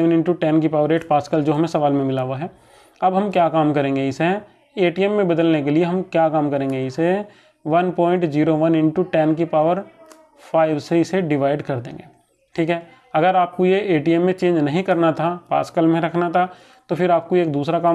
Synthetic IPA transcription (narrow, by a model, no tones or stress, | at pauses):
ənɪ̃ɳʈuʈɛːnk̬ipaːʋəɾeːʈpaːskəld͡ʒoːɦɐmẽsɐʋaːlmẽmɪlaːʋaɦɛː | ɐbɦɐmkjaːkaːmkɐɾẽːŋɡeɪse | eːʈiɛmːẽbɐd̪əlnekelieɦɐmkjaːkaːmkɐɾẽːŋɡeɪse | ʋɐnpɔ̃ːɪ̃ɳʈziːɾoʋɐnɪ̃ɳʈuʈɛːnk̬ipaːʋəɾ | pʰaːɪʋseɪseɖɪʋaːɪɖkɐɾd̪ḛ̃ːŋɡeː | ʈʰiːkɦɛː | ɐɡəɾaːp̚kojeeːʈiɛmːẽt͡ʃẽːɲd͡ʒnɐɦĩkɐɾnat̪ʰapa̰ːskəlmẽɾɐkʰnat̪ʰa | t̪opʰɪɾaːp̚koeːk̚d̪uːsɾakaː